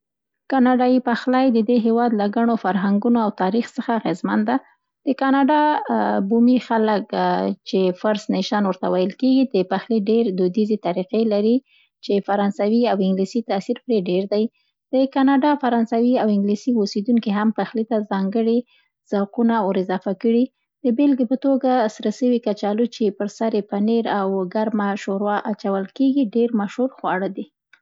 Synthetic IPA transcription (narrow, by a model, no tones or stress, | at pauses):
kɑnɑɖɑjipaxlajd̪əd̪eɦewɑd̪laɡaɳ̃ofaɾɦaŋɡunoawt̪ɑɾixsəxaːɣezmand̪a | d̪̥əkɑnɑɖɑbumixaləkt͡ʃefaɾsneʃɑnwəɾt̪awajəlkeɡid̪əpaxleɖeɾd̪od̪izet̪aɾiqelaɾi | t͡ʃefaɾɑnsawiawɪŋɡlisit̪asiɾpɾeɖeɾd̪aj | d̪̥əkɑnɑɖɑfaɾɑnsawiawɪŋɡlisiosed̪uŋkiɦampaxlit̪azɑŋɡəɽi | z̥awqunaʊɾɪzɑfakəɽi | d̪̥əbelɡepət̪oɡasɾasəwikat͡ʃɑlut͡ʃepəɾsaɾepaneɾawɡaɾmaʃoɾwɑʔat͡ʃawəlkeɡiɖeɾmaʃhuɾxwɑɽəd̪i